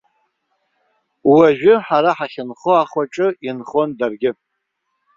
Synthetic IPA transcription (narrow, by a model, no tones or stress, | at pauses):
waʒᶣʊħaɾaħaχʲɪnχoaχaʈ͡ʂʼɨinχo̞ndarɡʲɪ